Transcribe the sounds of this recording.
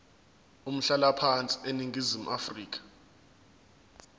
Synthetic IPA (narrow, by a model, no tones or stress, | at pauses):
um̩ɬalapʰant͡sʼi̥eniŋʱizimuʔafriːk̬ʰʼḁ